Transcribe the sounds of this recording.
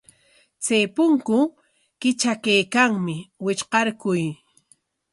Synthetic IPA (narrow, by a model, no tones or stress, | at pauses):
t͡sejpʊŋkʊ | kɪt͡ʃakajkaŋmɪwɪt͡ʃqɑɾkʊj